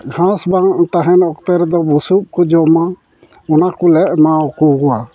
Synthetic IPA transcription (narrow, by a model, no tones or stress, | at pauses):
ɡʱãsbaŋt̪aɦɛnɔkt̪ɛɾd̪ɔbusup̚kɔd͡ʒɔma | ɔnakulɛʔ̚mawkukɔwa